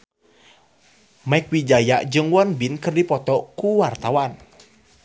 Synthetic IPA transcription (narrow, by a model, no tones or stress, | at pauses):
mɛkwid͡ʒaja̰ʔd͡ʒɨŋwanbinkɨrdipɔt̪ɔkuwart̪awan